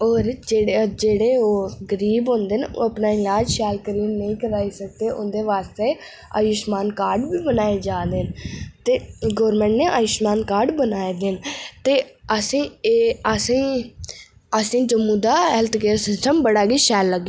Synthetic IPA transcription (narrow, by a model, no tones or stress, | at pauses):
ɔːɾd͡ʒed͡ʒeːɽeːoːɡəɾiːbɦõːnd̪eːno̰ːəpnaːɪlaːd͡ʒʃɛːlkəɾiːnəĩːkəɾaːiːsək̚d̪eːʔʊnd̪eːʋaːst̪eː | aːjɪʃmaːnkaːɾɖbiːbənaːeːd͡ʒaːd̪eːnt̪eːɡɔːɾmɛ̃ːɳʈneːʔaːjɪʃmaːnkaːɾɖbənaːed̪ent̪eːəsĩːəsĩː | əsĩːd͡ʒəmːũːd̪aːɦɛːlt̪ɡeːɾsɪsʈəmbəɽaːɡiːʃɛːlːəɡː